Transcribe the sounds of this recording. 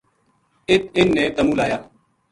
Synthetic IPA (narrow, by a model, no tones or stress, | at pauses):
ɪt̪ʰɪnːeːt̪əmuːlaːjaː